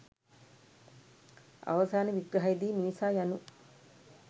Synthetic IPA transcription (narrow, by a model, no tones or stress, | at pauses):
a̰ʋɐsaːneʋiɡɾɐɦajid̪iːniʋisaːjanu